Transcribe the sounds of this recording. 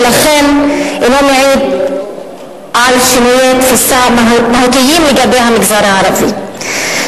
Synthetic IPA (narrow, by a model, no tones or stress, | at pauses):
laχenemomaʕid̪ | ʕalʃinijet̪fusamaɦut̪ijimleɡabe̞jɦamiɡzaɾaʕaɾavḭ